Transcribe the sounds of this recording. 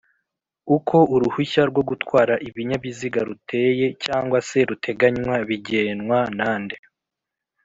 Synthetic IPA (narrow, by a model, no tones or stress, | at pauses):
ukʰo̞ʔuɾuhuçaɾɡwo̞ɡutwaːɾaʔiβiɲaβiziɡaɾutʰe̞ːje̞caːŋɡwase̞ɾutʰe̞ɡaɲwaβiɟe̞ːnwanaːnde̞